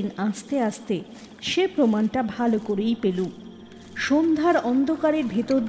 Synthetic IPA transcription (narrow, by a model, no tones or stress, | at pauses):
inaʃt̪eaʃt̪e | ʃepɾomanʈabʱalokoɾejpeluŋ | ʃond̪ʱaɾɔnd̪ʱokaɾeɾbʱet̪oɾd̪